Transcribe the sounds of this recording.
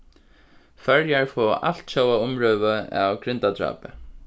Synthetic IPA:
fœɹjaɹfɔːa̰l̥t̪ɕowaʊmɾœːʋəa̰wkɾɪnt̪ad̪ɾa̰ːpɪ̰

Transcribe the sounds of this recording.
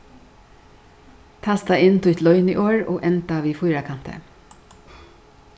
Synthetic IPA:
t̪ʰaːst̪aɪnːt̪ʰʊjt̪lɔʏnḭːʔoːɹo̰ːʔɛnt̪aʋiːfʊjɾakʰan̥t̪ə̰

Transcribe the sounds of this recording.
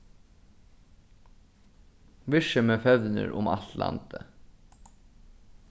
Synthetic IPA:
ʋɪʂəmɛfœðnɪ̰ɾʊmalt̪la̰nt̪ə

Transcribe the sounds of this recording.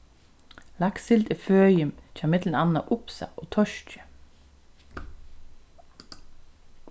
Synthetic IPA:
laksɪlt̪ɪføːjɪmt͡ʃʰaːmɪt̪lənanːaʔʊpsa̰ʔoːt̪ʰɔʃcə̥

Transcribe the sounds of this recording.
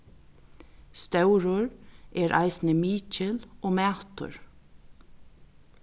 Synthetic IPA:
st̪œʊɾʊɹʔeːɾʔɑ̰ɪsnəmiːt͡ʃəloːmæːt̪ʊ̰ɹ

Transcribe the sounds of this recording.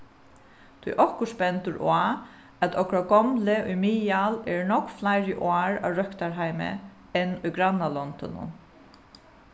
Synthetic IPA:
t̪ʰʊjʔɔhkʊspɛnt̪ʊɾʔa | æt̪ʰɔkɾaɡɔmlɪʔʊjmiːalɛɹnɔkflajɾɪʔʊaːɹa̰ʋɾœkt̪aɹɦajmɪ̰ | ɛnːʊjɡɾanːalɔnt̪ɔ̰nʊ̰

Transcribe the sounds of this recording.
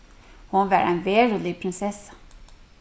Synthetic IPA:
hʊnʋæːɾæ̰nʋeːɾuːlɪpʰɾɪnsɛs

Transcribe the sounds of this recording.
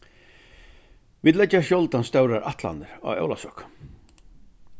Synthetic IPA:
viːd̪lɛːaʃjɔlt̪anst̪œwɾaɾʔat̪la̰nd̪ɪɾa̰ɛ̰wlasɔk

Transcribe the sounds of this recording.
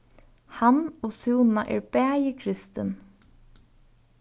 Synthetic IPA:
hɑnoːsuːnnɑʔḛːɹbæːjəkʰɾɪst̪ən

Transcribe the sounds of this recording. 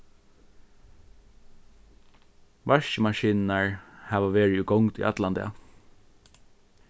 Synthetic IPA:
ʋɑʃəmɑʃiːnnəɹhɑːʋɑʋeːɹɪʉːɡɔŋt̪ḭːʔɑt̪lɑnd̪ḛɑ̰

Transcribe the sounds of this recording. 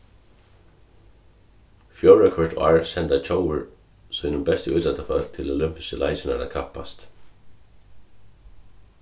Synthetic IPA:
fjolɹɛkʰɔɹd̪a̰ɹsɛnt̪at͡ʃʰowəɹ | sɔmɪnʊmbɛst̪əʉːt̪lɛt̪afœlt̪ʰɪlolʏmpɪ̥skəlʔa̰ɪt͡ʃɪna̰ɾa̰kʰapːa̰st̪

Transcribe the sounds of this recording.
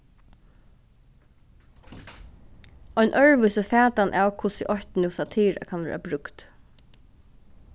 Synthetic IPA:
ɔjnʔœɹʋʏsəfæːt̪anʔaːwkʰʊsɪʔɔçt̪nɪwsat̪ʰiːɹa̰kʰanʋɛ̰ːɾabɾʏkt̪

